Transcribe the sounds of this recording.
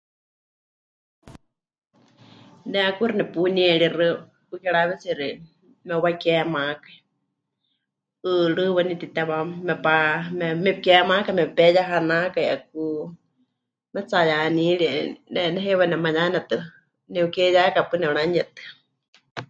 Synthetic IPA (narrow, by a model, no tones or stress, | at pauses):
nɛakuɾɨnɛpuniɛɺirɨ | ukɛɺaβɛt͡siɾi | mɛuwakɛmakai | ɨɺɨwɛnit̪it̪ɛβamɛpamɛmɛkɛmakamɛpɛjaɦanakaiak̚u | mɛt͡sajaniɺiɛnɛnɛɦɛwanɛmajanɛt̪ɨ | nɛukɛjakapɨnɛunaɲɛt̪ɨ̥